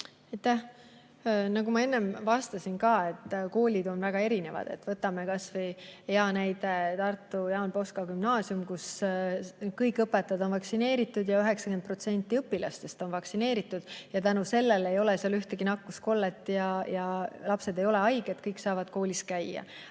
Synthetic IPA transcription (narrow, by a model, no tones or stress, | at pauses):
ɑjt̪ːæh | nɑɡumɑe̞nːe̞mvɑst̪ɑsinkɑːe̞t̪ːˑko̞ːlʲid̪̥o̞nvæɡ̥ɑe̞ɾine̞vɑ̰d̪̥e̞̰t̪ːvɤt̪ːˑɑme̞kɑsvɤjeɑnæjd̪̥e̞t̪ɑrt̪ːˑujɑːnpo̞skɑɡymnɑːsiumkus | kɤjkːˑɤpːet̪ːˑɑd̪o̞nvɑksine̞ːɾit̪ːˑud̪jɑyɦe̞ksɑkenpro̞t̪se̞nʲt̪ˑːiɤpːˑilɑst̪e̞st̪o̞nvɑksine̞ːɾit̪ːˑud̪̥jɑt̪ænuse̞lːe̞le̞jo̞leseɑlyht̪eɡ̥inɑkːusko̞lːet̪ːˑjɑjɑlɑpse̞d̪e̞jo̞le̞ɑjɡet̪kɤjkːsɑːvɑd̪̥ko̞ːlʲiskæjːɑ̰